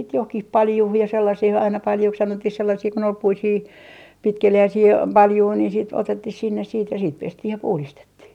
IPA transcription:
johkih pɑljuh jɑ selːɑsih ɑinɑ pɑljuks sɑnotːih selːɑsiː kun ol puisiː pitkeliæisiː pɑljui ni siːt otetːih sinːes siːt jɑ siːt pestih jɑ puhlistetːih

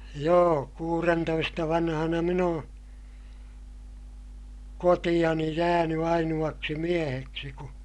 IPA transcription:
joː kuːrentoistɑ ʋɑnhɑnɑ min õː kotij̆ɑni jæːny ɑinuɑksi mieheksi ku

